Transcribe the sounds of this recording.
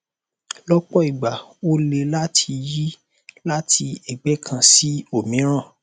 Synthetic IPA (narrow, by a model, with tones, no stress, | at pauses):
lɔ˦k͡pɔ˦i˨ɡ͡ba˨o˦le˧la˦tʰi˧ji˦ | la˦tʰi˧ɛ˨ɡ͡bɛ˨˦kʰã˧si˦o˦˨mĩ˨˦ɾ̃ã˦˨